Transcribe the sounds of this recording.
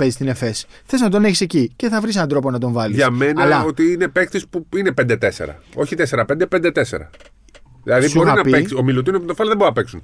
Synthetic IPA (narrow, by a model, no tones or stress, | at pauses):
pezist̪ine̞fe̞s | xθe̞znɐt̪o̞ne̞çise̞cice̞θɐvɾis̬enɐnd̪ɾo̞po̞nɐt̪o̞ɱvɐliʝɐmme̞nɐlɐo̞t̪iine̞pe̞kθispuine̞pend̪et̪e̞se̞̰ɾɐ̰o̞çit̪ese̞ɾɐpend̪epend̪e̞t̪esḛɾɐ̰ | ðilɐðiboɾiɐnɐieiomilot̪iniopont̪ofɐloðeboɾinɐpeksun